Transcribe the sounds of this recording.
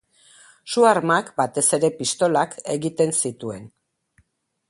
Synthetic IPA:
suaɾmakbat̪e̞se̞ɾe̞pist̪o̞lake̞ɣit̪e̞nsit̪ue̞n

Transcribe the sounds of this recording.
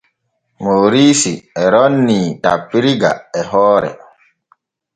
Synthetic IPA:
moːɾiːsiɛɾɔnːiːtapːiɾiɡa̰ɛɦɔːɾɛ̰

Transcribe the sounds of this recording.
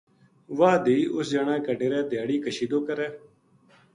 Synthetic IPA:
ʋaːd̪iːʔʊsd͡ʒaːɳãːkəɖeːɾɛːd̪jaːɽiːkəʃiːd̪oːkəɾɛː

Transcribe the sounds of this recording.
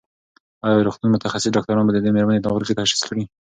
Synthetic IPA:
ajɑɾuxt̪unmʊt̪axasɪsɖɑk̚t̪aɾɑnbad̪əd̪emeɾmanet̪ɑɣəɾket̪aaʃɪ̥skəɽi

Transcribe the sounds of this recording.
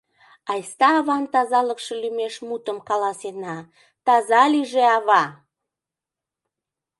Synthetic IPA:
ɑjst̪ɑːβɑnt̪ɑzɑləkʃelymeʃmut̪əmkɑlɑsenɑ | t̪ɑzɑliʒeɑβɑ

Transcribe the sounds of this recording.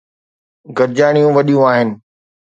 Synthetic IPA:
ɡɐɾd͡ʑaːɽ̃ijũʋɐɗijũaːɦɪnɪ̆

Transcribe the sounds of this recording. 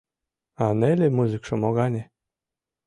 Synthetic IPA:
ɑnelʲemuzɨkʃɤ̆moɣɑnʲe

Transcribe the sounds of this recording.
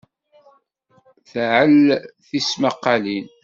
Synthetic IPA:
θʕəlθismaqːalin

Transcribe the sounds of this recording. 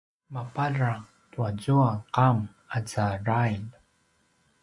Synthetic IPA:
mapaɾa | tuazuaqam | ad͡zarajl

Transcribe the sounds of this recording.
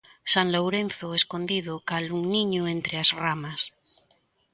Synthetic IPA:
saŋlowɾẽnθoeskond̪iðʊkaluŋniɲoent̪ɾeazramas

